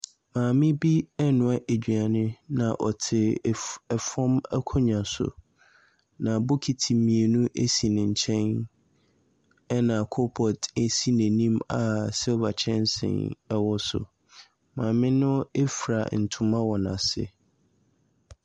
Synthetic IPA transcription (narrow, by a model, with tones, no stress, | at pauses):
mãː˨mɪ̃˦bi˦ɛ˦nʊ̃˨a˦ʔe˨d͡ʑᶣɥa˨nɪ̃˦nã̰˨ʔɔ˨tʰɪ˨ɛ˨fɔ̃˦mɛ˦kʰɔ˦ɲã˨sʊ̰˨ | nã˨bʊ˦kʰi˨tʰi˨mĩ˨e˨nũ˦ʔe˦si˨nɪ̃˨ɲ̩˨t͡ɕʰɛ̃˦n | ɛ˦nã˨kʰʊ˦pʰɔ˨te˦si˦næ̃˨nĩ˦ma˨sɛ˦ɔ˦ba˨t͡ɕʰɛ̃˦nsɪ̰̃˨nɛ˦wɔ˦sʊ̰˨ | mãː˨mɪ̃˦nʊ̃˦e˦fɾa˨n̩˨tʰʊ̃˨mã˦wɔ˨nã̰˨sɪ̰˦